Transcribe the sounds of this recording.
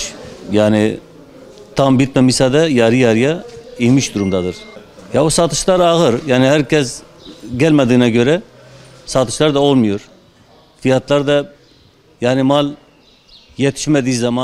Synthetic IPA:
jaːni | t̪ʰambit̪̚mɛmisad̪ɛjɑɾijɑɾijaimiʃd̪uɾumd̪ɑd̪ɯɾ | jausat̪ʰɯ̥ʃlˠɑɾɑɣɯɾjaːnihæɾcʰɛsɟælʲmɛd̪inɛɟøɾɛ | sat̪ɯ̥ʃlˠaɾd̪aolˠmujoɾ | fijat̪lˠaɾd̪ɑ | jaːnimalˠ | jɛt̪ʰi̥ʃmɛd̪ijzɑma

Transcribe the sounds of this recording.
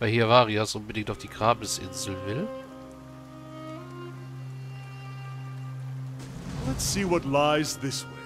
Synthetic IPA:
b̥aɪhiːavaːʁiasʔʊnbədɪŋktaʊfd̥iːɡʁaːbəsʔɪ̰nzl̩vɪl | lətsiːwʌtlaɪzðɪsw

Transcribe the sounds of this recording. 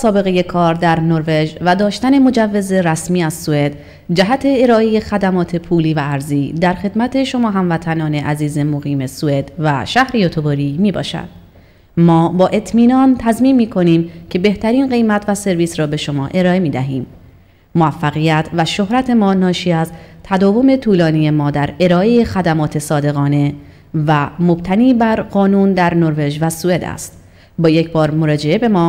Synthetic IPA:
sɒːbe̞ɣe̞je̞kʰɒːɾd̪æɾnoɾve̞d͡ʒvæd̪ɒːʃt̪æne̞mo̞d͡ʒævːe̞ze̞ɾæsmiːæzsue̞d̪ | d͡ʒæɦæt̪ʰe̞ːɾɒːʔeje̞xæd̪æmɒːt̪ʰe̞pʰuːliːvæːɾziːd̪æɾxe̞d̪mæt̪ʰe̞ʃomɒːɦæmvæt̪ʰænɒːne̞ʔæziːzemoɣiːme̞sue̞d̪̥væʃæhɾejot̪ʰoboɾiːmiːbɒ̰ːʃæ̰d̪̥ | mɒːbɒːʔe̞t̪ʰmiːnɒnt̪ʰæzmiːmːiːkʰo̞niːmcʰe̞be̞ht̪ʰæɾiːnɢe̞jmæt̪ʰvæse̞ɾviːsɾɒːbe̞ʃo̞mɒ̰ːʔe̞ɾɒːe̞miːd̪æɦiːm | moæfːæɣijæt̪ʰvæʃo̞hɾæt̪ʰe̞mɒːnɒːʃiːæzt̪ʰæd̪ɒːvo̞me̞t̪ʰuːlɒːnije̞mɒːd̪æɾe̞ɾɒːʔejexæd̪æmɒːt̪ʰe̞sɒːd̪e̞ɣɒːne̞ | væmo̞b̥̚t̪ʰæniːbæɾɢɒːnuːnd̪æɾnoɾve̞ʒvæsue̞d̪æ̰st̪ | bɒːje̞cʰbɒːɾmoɾɒːd͡ʒe̞e̞be̞mɒː

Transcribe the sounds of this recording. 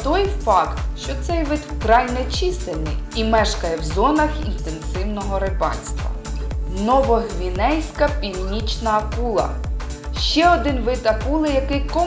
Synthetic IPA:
t̪ɔjfɑkt̪ʃt͡ʃɔt̪sɛjʋɪt̪kɾɑjnɛt͡ʃist̪ɪnɪ̰jimɛʃkɐjɛwzɔnɐxḭnt̪ensɪwnɔɦɔɾɪpɑ̰nʲsʲt̪ʋɐ̰nɔʋɔɦʋʲinɛjsʲkɐpʲilʲnʲit͡ʃnɐːkulˠɐ̰ | ʃt͡ʃɛɔd̪ɪnʋɪt̪ɐkulˠɪjɐkɪjkɔ

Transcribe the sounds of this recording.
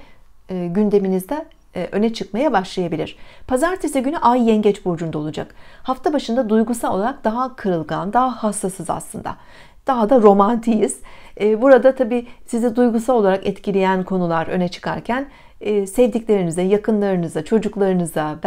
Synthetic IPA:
ɟynd̪e̞minizd̪ɛ | ʔø̞nɛt͡ʃʰɯkmajabaʃlˠajabilʲiɾ̥pʰazaɾt̪ʰisɛɟynyʔajːɛɲɟɛt͡ʃbod͡ʒund̪aolˠud͡ʒa̰khaft̪ʰabaʃɯnd̪ad̪ujɡusalˠo̞lˠaɾak̚d̪aɦakʰɯɾɯlˠɡand̪aɦahast̪asɯza̰slˠɯnd̪a̰ | d̪̥aɦad̪aɾo̞mant̪ʰijiz̥ɛːbuɾad̪at̪ʰabiːsizɛd̪ujɡusalolˠaɾakɛt̪cʰilʲejænkʰo̞nulˠaɾø̞̰nɛt͡ʃʰɯ̥kʰa̰ɾcʰæn | ɛːsɛvd̪iclʲe̞ɾinizd̪ɛjakʰɯnlˠaɾɯnɯzd̪at͡ʃʰo̞d͡ʒuklˠaɾɯnɯzd̪ab

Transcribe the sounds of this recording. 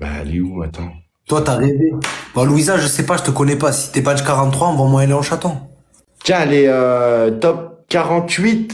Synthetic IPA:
ba̰a̰leuat̪ɑ̃ | t̪wat̪aʁevebaluizaʒʒəsɛpaʒət̪əkɔnɛpasi̥t̪yɛpad͡ʒkaʁɑ̃t̪ːχwaɑ̃vãmwɛ̃aleɔ̃ʃat̪ɔ̃ | t̪jɛ̃leøt̪ɔp̚kʲaʁɑ̃t̪ɥit̪

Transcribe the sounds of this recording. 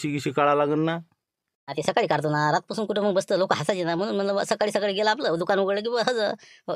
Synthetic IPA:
iɡiɕikaɭalaɡənːa | nat̪esəkaɭiːkaɾt̪̬onaɾat̪̚pasuːnkuʈʰeməɡbəst̪əːlokəɦasat͡ɕinam̤əɽ̃uːnm̤ənləbə̰səkaɭiːsəkaɭiːɡelaap̬ləːd̪ukanʋuɡəɭləːk̬iũʋaɦəd͡zə

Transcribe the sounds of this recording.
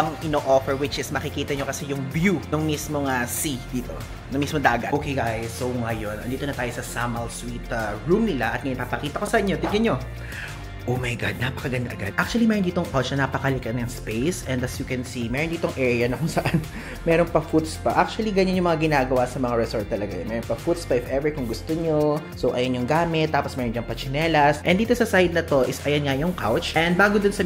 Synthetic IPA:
ɐŋʔɪnoʔofɛɹwɪt͡ʃɪsmɐkɪkiːt̪ɐɲokɐsɛjʊŋbjunoŋmismoŋɐsid̪iːt̪o̞̰ | nɐŋmismod̪aːɡɐ̰ʔoːkejɡajsowŋɐjo̞nʔɐ̰nd̪iːt̪o̞nɐt̪aːjo̞sɐsamɐlswit̪ɐɹumnɪlaʔɐt̪ŋɐjonpapɐkiːt̪ɐko̞sɐʔɪɲːot̪ɪŋɡɐnɲo̞ | ʔomɐjɡa̰d̪̚naːpɐkɐɡɐnd̪ɐʔɐɡa̰d̪̚ʔak̚t͡ʃʊɐlimɛɾniːt̪o̞ŋʔot͡ʃnɐnapɐkɐlɪkɛnɐŋspejsʔɛnd̪ɐsjʊkɛnsimɛːɾond̪iːt̪oŋʔɛɹjɐnɐkʊŋsɐʔan | mɛːɾonpɐfut̪spɐʔak̚t͡ʃʊɐliɡɐɲɐnjʊŋmɐŋaɡɪnaːɡɐwasɐmɐŋaɹɛsoɹt̪ːɐlɐɡa̰jo̰nmɛːɾonpɐfut̪spɐʔɪfʔɛvɛɹkʊŋɡʊst̪oɲo | sowʔɐjɐnjʊŋɡaːmɪt̪ːaːposmɛːɾond͡ʒɐŋpɐt͡ʃɪnɛːlɐsʔɛnd̪iːt̪osɐsajd̪̚nɐt̪o̞ʔɪsʔɐjɐnŋajʊŋkawt͡ʃʔɛnd̪̚baːɡod̪ʊnsɐ

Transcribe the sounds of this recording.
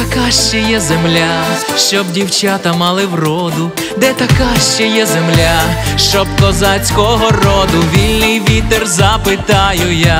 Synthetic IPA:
t̪ɐkaʃt͡ʃɛjɛzemlʲa | ʃt͡ʃɔbdʲiwt͡ʃat̪ɐmɑlˠɪwrɔd̪ʊ | d̪ɛt̪ɐkaʃt͡ʃɛjɛzemlʲa | ʃt͡ʃɔb̚kɔzat͡sʲkɔɦɔrɔd̪ʊʋʲilʲnɪjʋʲit̪erzɐpɪt̪ɑjʊja

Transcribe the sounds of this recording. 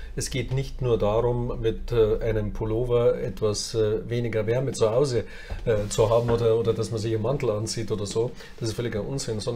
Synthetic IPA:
ʔɛsɡ̥eːtnɪçtnuːɐdaːʁʊmmɪtːʔaɪnəmpʰoloːvɐʔɛtv̥asveːnɪɡɐvɛɐmət͡suhaʊzə | ɛːt͡suɦaːbm̩ʔoːdɐʔoːdɐdasmɐnzɪçɪmantl̩ant͡siːtʔoːdɐzoː | d̥asɪstfœlɪçaʔʊnt͡sɪnsɔnd

